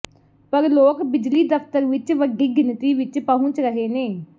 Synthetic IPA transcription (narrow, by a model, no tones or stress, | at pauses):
pəɾloːkbɪd͡ʒliːd̪əpt̪əɾʋɪt͡ʃʋəɡːiːɡɪnt̪iːʋɪt͡ʃpaːɦũːt͡ʃɾəɦeːneː